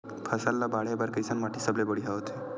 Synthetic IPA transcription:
pʰəsalːabaɭebaɾkɾisanmaʈʰisəblebəɽiɦaʋət̪ʰe

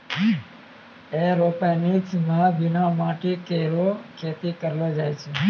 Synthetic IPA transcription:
eɾopenit͡ʃmãbinamaʈikeɾokʰet̪ikəɾlod͡ʒajt͡ʃʰe

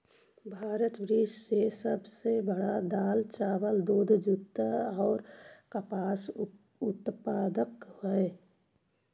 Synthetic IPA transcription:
bʱaːɾət̪bɾɪʃsesəbsebəɽad̪aːlt͡ʃaːʋəld̪oːd̪ʱd͡ʒʊt̪ːəɔːɾkəpaːs | ʊt̪paːd̪əkhoe

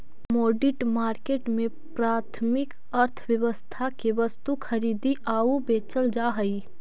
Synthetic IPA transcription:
moːɖɪʈmaːɾkeːʈmẽ | pɾaːt̪ʰmɪk | ɐɾt̪ʰʋwjɐʋəst̪ʰakiʋəst̪ukʰɐɾiːd̪iʔaːubeːt͡ʃəld͡ʒaːɦɐiː

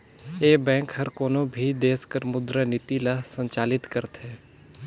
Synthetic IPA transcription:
eːbɛ̃ːkhɐɾkoːnõbʱid̪eːskəɾmʊd̪ɾənɪt̪ilasə̃ɲt͡ʃaːlɪt̪kəɾt̪ɦɛː

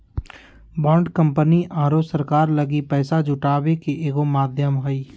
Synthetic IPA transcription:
bɔ̃ːɳɖkə̃mpəniʔãːɾosəɾkaːɾlɐɡipɛːsad͡ʒʱʊʈaːbekeʔeːɡomaːd̪ʱjəmɦoi

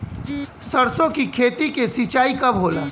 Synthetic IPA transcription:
sɐɾsõkikʰeːt̪ikesit͡ʃaːikɐbɦoːlaː

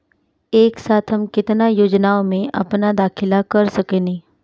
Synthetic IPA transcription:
eːksaːt̪ʰɦɐmkɪt̪najoːd͡ʒnaːomẽʔɐ̰pnad̪aːkʰɪlakɐɾsɐkeːnĩː

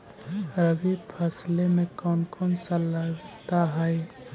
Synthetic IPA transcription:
ɾəɡipʰəslemẽkɔːnkɔːnsəlaɡt̪aɦɛj

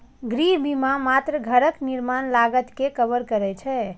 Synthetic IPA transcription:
ɡɾiɦbimamat̪ɾəɡʱəɾəkniɾmanlaɡət̪kekəbəɾkəɾɛt͡ʃʰɛ

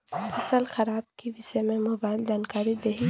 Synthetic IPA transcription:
fɐsəlxɐɾaːb̚kiʋɪsemẽmobaːɪld͡ʒaːnkaːɾid̪eɦi

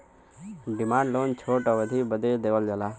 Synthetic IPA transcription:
ɖɪmaːɳɖloːnt͡ʃʰoːʈaʋəd̪ʱiːbəd̪ed̪eːʋəld͡ʒalaː

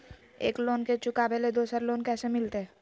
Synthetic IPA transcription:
ḛːkloːnket͡ʃʊkabeled̪oːsəɾloːnkɛːsemɪlt̪eɦ

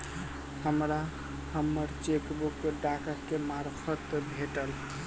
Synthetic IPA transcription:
həmɾa | həmːəɾt͡ʃekbukːeɖakəɾkemaɾpʰət̪bʱeʈəl

